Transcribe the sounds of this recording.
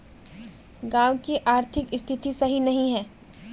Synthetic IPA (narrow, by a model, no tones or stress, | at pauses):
ɡãːʋkiʔaːɾt̪ʰɪkɪst̪ʰɪt̪isɐɦinɐɦĩɦɛː